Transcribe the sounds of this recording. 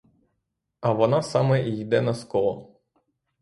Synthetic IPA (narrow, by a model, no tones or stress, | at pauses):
ɐʋɔnɑsɑmɛʔijd̪ɛnɐskɔlˠɔ